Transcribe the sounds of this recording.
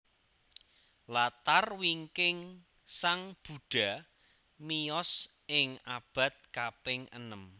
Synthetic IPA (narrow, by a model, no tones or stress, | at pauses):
lat̪arwiŋkɪŋ | saŋb̥ṳɖ̥a̤ | mijɔs | ɪŋab̥a̤t̪̚kapɪŋə̰nəm